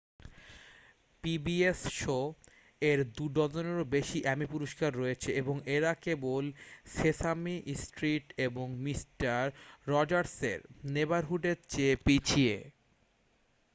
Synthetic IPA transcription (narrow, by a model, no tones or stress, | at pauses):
pibiesʃo | eɾd̪uɖɔd̪oneɾobeʃiʔɛmipuɾoʃkaɾːoet͡ɕʰeeboŋeɾakebolsesamiʔsʈɾiʈeboŋmisʈaɾːɔd͡ʑaɾsḛɾnebaɾɦuʈet͡ɕepit͡ɕʰiḛ